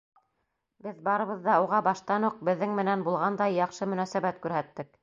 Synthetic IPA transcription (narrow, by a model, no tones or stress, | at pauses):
bɘðbɑɾɤ̆βɤ̆ðːɑuʁɑbɑʃt̪ɑnuq̚bɘ̆ðːɘŋmɘ̆nænbulˠʁɑnd̪ɑjːɑχʃɤmɵ̆næsæbæt̪kʉɾɦæt̪ːɘk